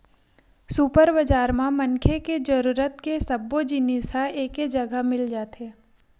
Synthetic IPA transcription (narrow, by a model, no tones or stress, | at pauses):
supəɾbəd͡ʒaːɾmãmɐnkʰeked͡ʒɐɾuːɾət̪kesɐbːod͡ʒinisaeːked͡ʒɐɡəmɪld͡ʒaːt̪eː